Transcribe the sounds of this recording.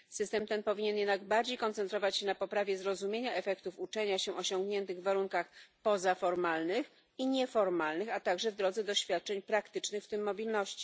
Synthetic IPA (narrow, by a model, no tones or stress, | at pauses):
sɘst̪ɛmt̪ɛnpɔvʲiɲɛnjɛd̪naɡbaɾd͡ʑejkɔnt̪sɛnt̪ɾɔvat͡ɕɕɛnapɔpɾavʲjɛzɾɔzumʲjeɲaʔɛfɛkt̪ufut͡ʂɛɲaɕɛʔɔɕɔŋɡɲɛnt̪ɘɣvːaɾuŋkaxpɔzafɔɾmalnɘx | iɲɛfɔɾmalnɘxat̪aɡʐɛvd̪ɾɔd̪zɛd̪ɔɕfʲjat̪̚t͡ʂɛɲpɾakt̪ɘt͡ʂnɘxft̪ɘmːɔbʲilnɔɕt͡ɕi̥